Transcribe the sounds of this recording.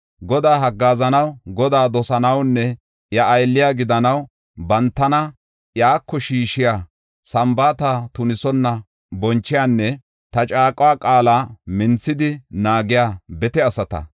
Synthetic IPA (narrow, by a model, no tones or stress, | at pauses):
ɡɔd̪aːɦɐɡːaːzɐnɐwɡɔd̪aːd̪ɔsɐnɐwnːɛ | jɐʔːjlːɪjaːɡɪd̪ɐnɐw | bɐnt̪ːɐnɐ | jaːkːɔʃiːʃɪjaː | sɐmbaːt̪at̪ʊnɪsɔnːɐ | bɔnt͡ʃːɪjaːnːɛ | t̪ɐt͡ʃʼaːkʼʊwaːkʼaːlaːmɪnt͡sːɪd̪ɪnaːɡɪjaːbɛt̪ɛɐsɐt̪ɐ̰